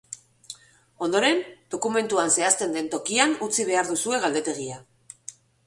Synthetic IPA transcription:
o̞nd̪o̞ɾe̞nd̪̥o̞kume̞nt̪uanse̞ast̪e̞nd̪e̞nt̪o̞kianut͡siβ̞e̞aɾðusue̞ɣald̪e̞t̪e̞ɣ̞ia

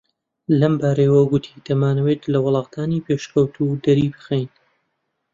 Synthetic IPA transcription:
lɐmbaːɾɐjwɐɡʊt̪ʰid̪̥ɐmaːnɐwet̪lɐwʊlˠɑːqd̪̥aːnipʰeʃkɐwt̪ʰud̪ɐɾiːbɨxejn

